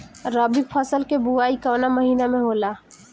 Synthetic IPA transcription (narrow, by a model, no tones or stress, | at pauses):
ɾaːbipʰəsəlkebuaːikəːnaməɦiːnamẽɦoːlaː